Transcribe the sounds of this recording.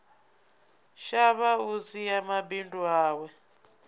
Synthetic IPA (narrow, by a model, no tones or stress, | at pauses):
ʃaβausijamabindʼuaːwɛ